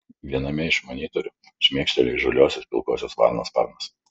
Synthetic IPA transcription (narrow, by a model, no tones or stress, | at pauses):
ʋʲiɛnɐmʲɛɪʃmoːnʲiːt̪oɾʲʊ | ɪʃʲmʲiɛkʃʲt̪ʲɛlʲɛʒolʲoːsʲospʲɪlˠkoːsʲoːsʋɑ̰ːɾno̰ːspɑ̰ɾmos